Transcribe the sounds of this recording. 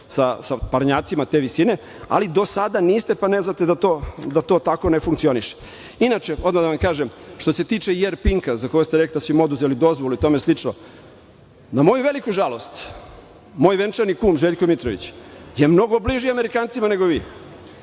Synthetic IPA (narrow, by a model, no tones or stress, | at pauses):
sasapaɾɲaːt̪simat̪eʋisine̞ | a̰lid̪o̞sad̪aniːst̪e̞paneznat̪ed̪at̪od̪at̪o̞ːt̪ako̞nefuŋkt̪sio̞niʃe̥ | inat͡ʃeo̞d̪mad̪aʋamkaːʒemʃt̪o̞se̞t̪iːt͡ʂejeɾpiŋkazakojost̪eɾeklit̪d̪asʋimo̞d̪uzelid̪o̞zʋoluit̪omeslit͡ʂno̰ | namo̞juʋelikuʒalo̞st̪ | mo̞ːjʋent͡ʃaɾnikuːmʒeʎkomit̪ɾoʋḭt͡ɕje̞mno̞ɡo̞bliʒiame̞ɾikaːnt̪simane̞ɡo̞ʋiː